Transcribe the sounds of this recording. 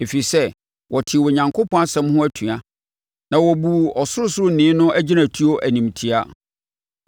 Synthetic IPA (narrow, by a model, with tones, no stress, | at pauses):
e˨fi˨sɛ˦ | wɔ˨tʰɪ˨wɔ˨ɲã˨ŋkʰo˦pʰɔ̃˦a˦sɛ̃˦mhʊ̃˦æ˦tʰũ˨a˨˦ | nã˨wɔ˨bu˨ɔ˨sʊ˦ʊ˦sʊ˦ɾʊ˦nɪ̃˦nʊ̃˦ʔæ˦d͡ʑi˦nã˨tʰu˦o˦ʔæ˨nĩ˨m˨tʰi˨˦a˦